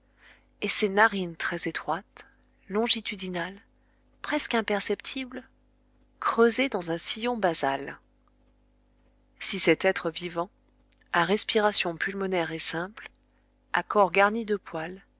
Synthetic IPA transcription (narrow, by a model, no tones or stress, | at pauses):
esenaʁint̪χɛzet̪χwat̪ː | ɔ̃ʒit̪yd̪inal | pχɛskɛ̃pɛʁsɛpt̪ʰibl | kχøzed̪ɑ̃zɛ̃sijɔ̃bazal | sisɛt̪ɛt̪χəvivɑ̃ | aʁɛspiʁasjɔ̃pylmɔnɛʁesɛ̃pl | akɔʁɡaʁnid̪əpʰwal